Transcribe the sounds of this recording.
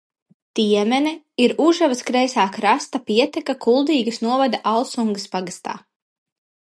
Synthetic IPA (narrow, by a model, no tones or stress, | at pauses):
t̪iɛmɛn | iɾuʒavaskɾɛjsaːkɾast̪apiɛt̪ɛkakʰulˠd̪iːɡɐsnuɔvad̪aʔalˠsuŋɡəspaɡast̪a̰ː